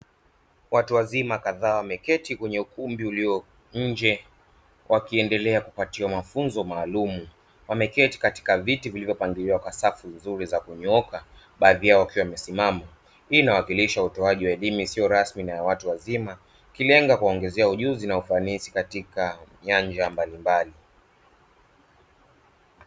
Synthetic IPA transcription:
watuwazimakaðaːwamɛkɛtikwɛɲɛukumbiuliɔ | ɲ̩d͡ʒɛ | wʔakiɛndɛlɛakupatiwamafunzɔmaːlumu | wamɛkɛti̥kati̥kavitivilivjɔpaŋɡiliwakwasafunzuɾizakuɲɔka | ɓaːðijaɔwakiwamɛsimama | inawakiliʃautɔaʄiwaɛlimisiɔɾasminajawatuwazima | kilɛŋɡakuaɔŋɡɛzɛauʄuzinaufanisikatikaɲaɲd͡ʒambalimbali

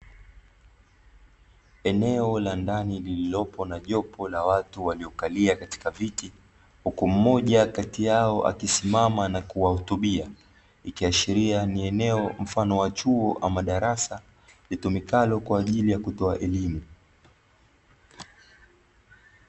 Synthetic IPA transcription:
ɛnɛɔlandanilililɔpʰɔnaʄɔpʰɔlawatuwaliɔkaliakati̥kaviti | hukum̩mɔʄakatijaɔʔa̰kisimamanakuwahutuɓia | ikiaʃiɾianiɛnɛɔm̩fanɔwat͡ʃuɔʔa̰maɗaɾasa | litumikalɔkwaːʄilijakutɔaʔɛlimu

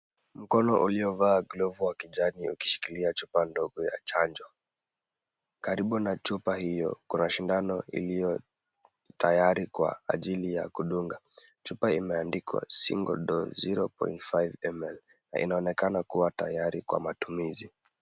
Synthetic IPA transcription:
m̩kɔnɔʔuliɔvaːɡlɔvuwakiʄaniuki̥ʃi̥kiliat͡ʃupandɔɡɔja̰t͡ʃaɲd͡ʒɔ | kaɾiɓunat͡ʃupahijɔ̰kunaʃindanɔḭlijɔ | tʰajaɾikwa̰ːʄilija̰kuɗuŋɡa | t͡ʃupaimɛandikwa̰sḭŋɡɔ̰ɗɔ̰ziɾɔ̰pɔ̰intfajvɛmɛl | na̰ʔḭnaɔnɛkanakuwata̰jaɾikwa̰matumizi

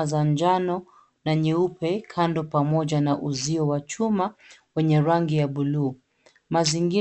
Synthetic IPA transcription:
zand͡ʒanɔ | naɲɛupɛkʰandɔpamɔʄanaʔuziɔwat͡ʃumawɛɲɛɾaŋɡijaɓuluː | maziŋɡi

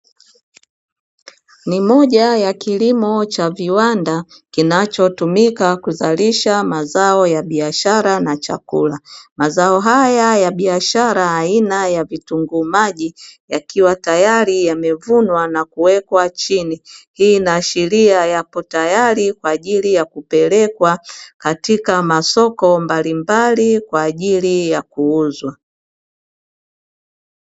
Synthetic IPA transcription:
nimɔʄajakilimɔt͡ʃaviwandakinat͡ʃɔtumikakuzaliʃamazaɔjaɓiaʃaɾanat͡ʃa̰kṵlamazaɔɦajajaɓiaʃaɾaːinajavituŋɡumaʄijakiwatajaɾijamɛvunwanakuwɛkwat͡ʃinihiːnaʃɛɾiajapɔtajaɾikwaːʄilijakupɛlɛkwakatikamasɔkɔmbalimbalikwaːʄilijakuuzwa

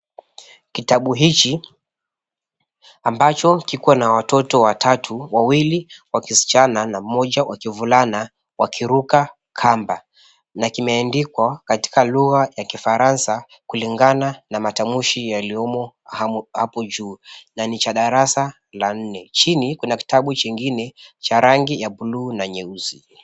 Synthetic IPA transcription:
kitaɓuɦit͡ʃi | ambat͡ʃɔkikuwanawatɔtɔwatʰatʰuwawiliwakisi̥t͡ʃananamɔʄawʔakivulana | wakʰiɾuka | kʰamba | nakimɛandikwakati̥kaluɣajakifaɾansa | kuliŋɡananamatamuʃijaliɔmɔhhapɔd͡ʒuːnanit͡ʃaɗaɾasa | lan̩nɛt͡ʃinikunaki̥taɓut͡ʃiŋɡinɛt͡ʃaɾaŋɡijabuluːnaɲɛuzi

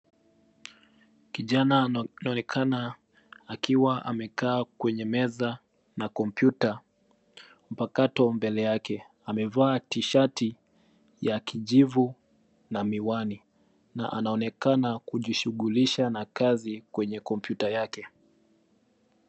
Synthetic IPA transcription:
kiʄananaɔɛkʰana | akiwaʔa̰mɛkaːkwɛɲɛmɛza | nakɔmpjuta | m̩pakatɔmbɛlɛjakɛ | amɛvaːtiʃati | jakiʄivu | namiwani | na̰ʔanaɔnɛkanakuʄiʃuɠuliʃanakazikwɛɲɛkɔm̩pjutajakɛ

